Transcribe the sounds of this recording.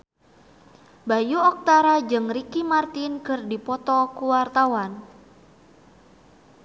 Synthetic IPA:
bajuɔk̚t̪aɾad͡ʒɨŋrikimart̪inkɨrdipɔt̪ɔkuwart̪awan

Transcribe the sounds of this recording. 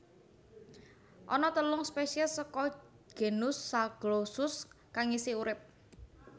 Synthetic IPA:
ʔɔnɔt̪əlʊŋspeʃiasɔkɔ | ɡ̥e̤nʊsːaɡ̥losʊs | kaŋisiuɾɪp̚

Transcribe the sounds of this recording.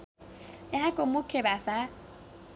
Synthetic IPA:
ɛɦakʼomʊkʰːebasa

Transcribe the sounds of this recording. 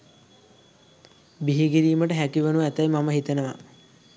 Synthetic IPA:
biɦiɡiɾiːməʈəɦækiʋənuʋaæt̪ajmaməɦit̪enəʋa̰

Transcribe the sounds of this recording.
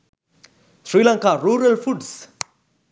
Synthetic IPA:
srilãŋkaruɾalfuds

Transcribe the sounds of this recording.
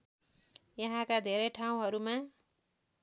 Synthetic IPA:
jʌɦãkad̪ʱeɾʌjʈʰaw̃ɦʌɾuma

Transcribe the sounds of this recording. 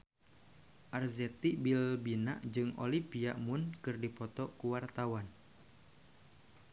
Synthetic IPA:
ʔarzɛt̪iʔbilbina̰ʔd͡ʒɨŋo̰lipiaʔmʊnkɨrdipɔt̪ɔkuwart̪awan

